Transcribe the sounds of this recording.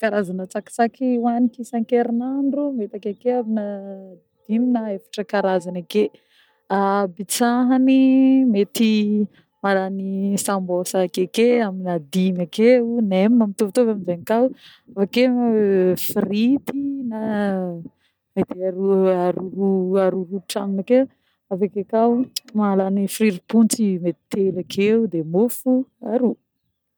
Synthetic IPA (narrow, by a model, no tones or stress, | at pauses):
kaɾazanət͡saki̥t͡sakiwanikisaŋkeɾinaɳɖ͡ʐumet̪akekeabina | d̪̥iminaefḁʈ͡ʂəkaɾazanake | abit͡saɦanimet̪i | maɾanisambosakekeaminad̪imakeunemmamit̪uvt̪ovaminzanikaw | afake | frit̪ina | met̪iaɾuaɾuɾuaɾuɾuʈ͡ʂaŋnake | avakakawmaalanifriɾipunt͡simet̪i̥t̪elakʰeud̪emofuaɾu